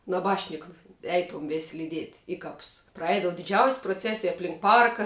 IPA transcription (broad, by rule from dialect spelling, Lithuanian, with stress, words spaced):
nɐˈbɑːʃʲnʲɪkɐ ˈɛɪtoːm ʋʲeːsʲ lʲiːˈdʲiɛtʲ ˈɪ ˌkɐps prɐˈɛɪdɐʋɐ dʲɪˈd͡ʒʲɛʊsʲ proːˈt͡sʲæːsʲɪj ɐpʲˈlʲɪŋk ˈpɐrkɐ